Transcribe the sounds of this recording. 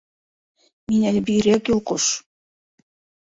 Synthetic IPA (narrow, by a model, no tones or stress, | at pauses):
minælʲbiɾækjolˠqoʃ